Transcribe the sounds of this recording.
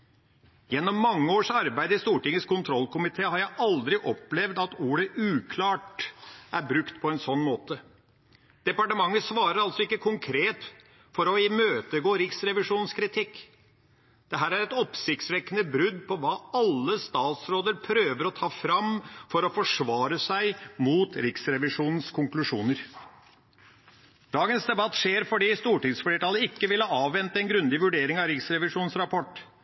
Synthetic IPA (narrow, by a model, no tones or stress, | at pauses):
jɛnːɔmːɑŋːəoːʂɑɾbæɪd̪əɪst̪uːʈɪŋːəskʰʊnt̪ʰɾɔlːkʊmɪt̪ʰeːhɑɾjæɪʔɑld̪ɾɪʔɔplɛʋd̪ɑt̪uːɾəʔʉːkʰlɑːʈæɾbɾʉkt̪pʰɔɛnsɔnːmoːt̪ə | d̪̥ɛpɑʈəmɑŋːəsʋɑːɾəɾɑlsɔɪkːəkʰʊŋkʰɾeːt̪ | fɔɾɔɪmøːt̪əɡoːɾɪksɾɛʋɪʂuːnskʰɾɪt̪ʰɪkː | d̪̥ɛɦæːɾæɾɛt̪ɔpsɪkt̪sʋɛkːənəbɾʉd̪pʰɔʋɑːɑlːəst̪ɑːt̪sɾoːd̪əɾpʰɾøːʋəɾɔt̪ʰɑːfɾɑmfɔɾɔfɔʂʋɑːɾəsæɪmuːt̪ɾɪksɾɛʋɪʂuːnn̩skʰʊŋklʉʂuːnəɾ | d̪̥ɑːɡənsd̪ɛbɑt̪ːʂeːɾfɔɖiːst̪uːʈɪŋsfleːʈɑːləɪkːəʋɪlhɑːɑːʋʋɛnt̪ɛnɡɾʉnd̪ɪʋʉɖeːɾɪŋɑʋɾɪksɾɛʋɪʂuːn̩sɾɑpʰɔʈː